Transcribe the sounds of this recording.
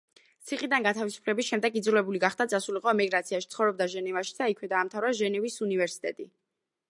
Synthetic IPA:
t̪sʰiχʼid̪anɡat̪ʰavisu̥pʰlɛbisʃɛmd̪ɛɡid̪zulɛbuliɡaχd̪at̪sʼasuliqʼɔɛmiɡɾat̪sʰiaʃit̪sʰχɔvɾɔbd̪aʒɛnɛvaʃi̥d̪aikʰwɛd̪aːmt̪ʰavɾaʒɛnɛvisunivɛɾsi̥t̪ʼɛ̰t̪ʼi

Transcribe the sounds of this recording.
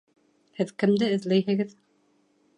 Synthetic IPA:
hɘðkɘ̆md̪ɘɘ̆ðlæjɦɘ̆ɡɘð

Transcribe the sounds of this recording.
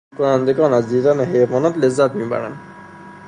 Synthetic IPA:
kɔɹand̪ɛkɔnazitanaɦemɔnɔtlɛzat̪miba̰ɹa̰n

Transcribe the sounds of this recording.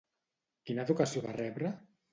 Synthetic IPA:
kinaeðukasioβarɛβɾə

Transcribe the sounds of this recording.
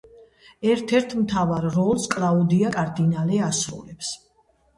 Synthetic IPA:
ɛɾt̪ʰɛɾt̪ʰmt̪ʰavaɾːɔlˠskʼɾaɔd̪iakʼaɾd̪inalɛasɾṵlɛps

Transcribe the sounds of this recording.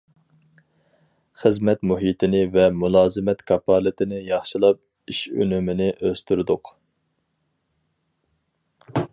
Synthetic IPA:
χəzmɛt̪muɦit̪ʰɪnɪvɛmulˠɑːzɨmɛt̪kʰɑpʰɑːlˠɨt̪ʰɪnɪjɑχʃilˠɑp̚ | iʃø̰nymɪnɪʔøst̪ʰyɾd̪ʊq

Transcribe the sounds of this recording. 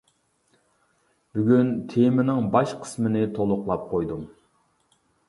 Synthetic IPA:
byɡʲynt̪ʰemɪnɪŋbɑʃqʰə̥smɪnɪt̪ʰolˠʊqlˠɑp̚qʰojd̪um

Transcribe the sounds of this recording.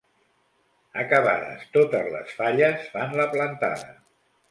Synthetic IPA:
əkəβa̰ðə̰st̪ot̪əzlə̰sfaʎəsfanləplənt̪a̰ðə̰

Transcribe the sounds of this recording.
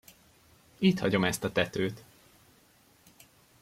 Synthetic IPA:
iːt̪hɒɟo̞mɛst̪ɒt̪ɛt̪øːt̪

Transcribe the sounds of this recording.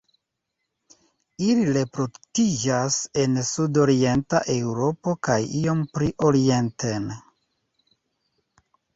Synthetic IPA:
ilile̞pɾo̞tid͡ʒase̞nsudo̞ɾie̞ntaʔe̞wɾo̞po̞kajio̞mpɾiʔo̞ɾie̞ntʰen

